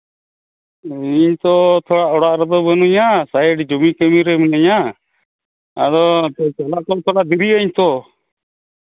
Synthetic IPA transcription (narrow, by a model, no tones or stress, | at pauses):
iɲt̪ɔt̪ʰɔɽaʔɔɽaʔɾɛd̪ɔbɔnuɲasajɛɖid͡ʒumikɛmiɾɛmɛnɛɲa | a̰d̪ɔt͡ʃalak̪ɔt̪ʰɔɽaʔd̪iɾiaɲt̪ɔ